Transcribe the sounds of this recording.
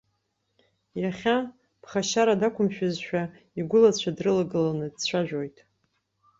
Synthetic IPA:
jaχʲa | b̥χaʃaɾadakʷʰʊmʃᶣazʃᶣa | iɡʷʊlat͡ɕʷʰadrɨlaɡɨlanɨdt͡ɕʷʰaʒᶣojtʼ

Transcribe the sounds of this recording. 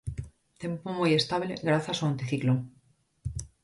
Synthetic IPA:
t̪e̞mpomuje̞st̪aβleɣɾaθjasaont̪eθiklo

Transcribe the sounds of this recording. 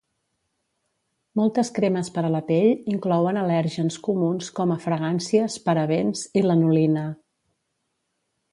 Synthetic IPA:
mɔlˠt̪əskɾeməspəɾələpeʎiŋklɔwənəlɛɾʒənskumunskɔməfɾəɣ̞ansiəspəɾəβenzilənulinə

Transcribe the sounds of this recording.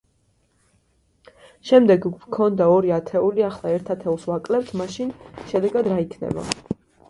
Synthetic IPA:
ʃɛmd̪ɛɡkʰɔnd̪aɔɾiat̪ʰɛuliaχlˠaɛɾt̪ʰat̪ʰɛulˠsvakʼlɛpt̪ʰmaʃinʃɛd̪ɛɡad̪ɾaikʰnɛ̰ba̰

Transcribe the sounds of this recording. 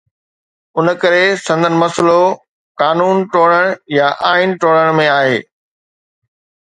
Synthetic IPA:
ʊnkɐɾesɐ̃nd̪ʱən̆mɐslo | kaːnuːnʈoːɽəɽ̃jaʔaːɪnʈoːɽəɽ̃mẽaːɦeː

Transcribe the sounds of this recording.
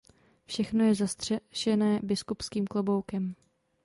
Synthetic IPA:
fʃɛxno̞jɛzast̪r̥ɛʃɛnɛːbɪskupskiːmklobo̞wkɛm

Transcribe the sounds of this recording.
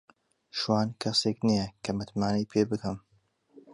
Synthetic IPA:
ʃwaːnkʰɐseːknijekʰɐmɨt̪maːnɐjpʰeːbɨkɨm

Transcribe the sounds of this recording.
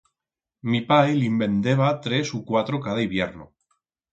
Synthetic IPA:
mipajlimbe̞nd̪eβ̞at̪ɾesukwat̪ɾokaðaiβjeɾno̰

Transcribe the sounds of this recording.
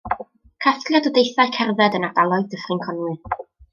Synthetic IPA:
kʰaθtlˠjadɔdejθaɨkʰɛrvɛdənadalˠɔjðdəχrɨnkʰɔnwɨ

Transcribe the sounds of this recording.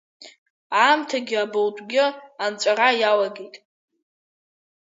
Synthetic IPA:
amtʰaɡʲɪabowtʷʼɡʲɪant͡ʃʷʼaɾajalaɡʲejtʼ

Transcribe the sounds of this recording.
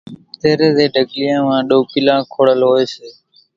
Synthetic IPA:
t̪eːɾeːd̪eːɖʱəɠlɪjãːmãːɗoːkɪlãːkʰoːɽəlɦoːeːseː

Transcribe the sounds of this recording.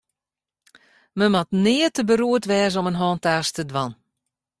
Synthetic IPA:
məmɔtnɪːətəbəɾuətʋɛːz̬ɔmənɦɔːntaːstədʋɑn

